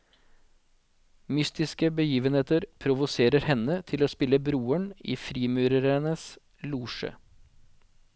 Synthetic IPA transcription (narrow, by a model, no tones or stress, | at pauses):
mʏst̪ɪskəbəjiːʋənheːt̪əɾpʰɾʊʋʊseːɾəɾhɛnət̪ʰɪloːspɪləbɾuːəɳḭːfɾiːmʉːɾəɾənəs | luːʂə̰